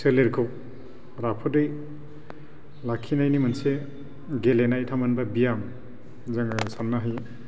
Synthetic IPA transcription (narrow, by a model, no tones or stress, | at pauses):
seleɾkʰɔk̚ | ɾapʰɔdɯj | lakʰːinajnimɐnse | ɡelenajtʰamanbabijam | zaŋsanːaɦaj